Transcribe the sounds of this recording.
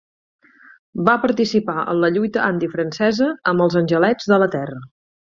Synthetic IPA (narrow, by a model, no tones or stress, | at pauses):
bapəɾt̪isipaʔə̰nləʎujt̪əʔand̪ifɾənsɛzəəmbəlˠzənʲʒəlɛd͡zðələt̪ɛrə